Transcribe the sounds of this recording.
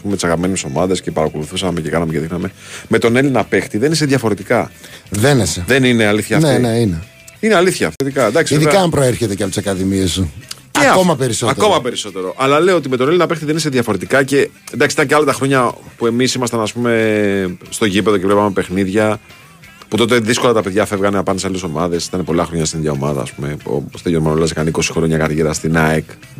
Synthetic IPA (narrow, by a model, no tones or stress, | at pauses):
pumet̪isɐɣɐpime̞neso̞mɐðe̞sce̞pɐɾɐko̞luθusɐmece̞kɐnɐmece̞ðixnɐme̞me̞t̪o̞nelinɐpe̞xt̪iðe̞nis̬eðʝɐfo̞ɾe̞t̪ikɐðeneseðe̞nine̞aliθçɐːnneineine | ineɐliθçɐ̰ft̪t̪ikɐnd̪ɐksiiðikɐmpɾoeɾçet̪e̞ceɐposɐkɐðimiesuceomɐpeɾisoɐtkomɐpe̞ɾiso̞t̪e̞ɾo̞ʔɐlɐle̞oot̪imet̪o̞nelinɐpe̞xt̪iðenis̬eðʝɐfo̞ɾe̞t̪ikɐce̞ | end̪ɐksiit̪ɐɲceɐlɐt̪ɐxɾo̞ɲɐpue̞misimɐst̪ɐnɐspume̞ | st̪o̞ʝipeðo̞cevlepɐmepe̞xniðʝɐ | put̪o̞t̪̬eðisko̞lɐt̪ɐpe̞ðʝɐfe̞vɣɐneɐpɐndsɐlso̞mɐðe̞sit̪ɐnepo̞lɐxɾoɲɐst̪iniðʝɐo̞mɐðɐ̰spume̞po̰st̪ejoɾmɐnoɐzekɐniko̞si̥xɾooɲɐkɐɾʝeɾɐst̪inɐek